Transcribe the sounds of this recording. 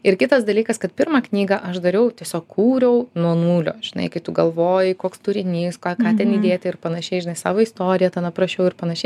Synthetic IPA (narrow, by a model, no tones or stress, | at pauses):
ɪɾkʲɪt̪ɐsd̪ɐlʲiːkɐskɐt̪pʲɪɾmɑːknʲiːɡɑʔɐʃd̪ɐɾʲɛʊt̪ʲiɛsʲoːkkuːɾʲɛʊnuɔnuːlʲo̰ːʒ̥ʲɪnɐ̰ɪkɐɪt̪ʊɡɐlˠʋoːjɪkoːkst̪ʊɾʲɪnʲiːskɑːkɑːt̪ʲɛniːd̪ʲeːt̪ʲɪɪɾpɐnɐʃʲɛɪʒʲɪnɐɪsɑ̰ːʋoːist̪oːɾʲɪjɛt̪ɐnɐpɾɐʃʲɛʊɪɾpɐnɐʃʲɛɪ